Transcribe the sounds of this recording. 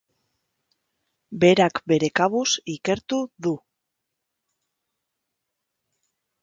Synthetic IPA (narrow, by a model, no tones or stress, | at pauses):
be̞ɾakbe̞ɾe̞kaβusike̞ɾt̪uðu